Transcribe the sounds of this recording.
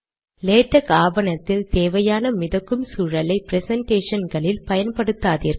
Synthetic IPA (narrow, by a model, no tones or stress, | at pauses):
leːʈːɐkaːʋɐnɐt̪ːɪlt̪eːʋɐjaːnɐmɪðɐkːɯmsuːɻɐlɐɪpɪɾɛsɐɳʈeːʂɐnɡɐɭɪlpɐjɐnpɐɽɯt̪ːaːðiːɾ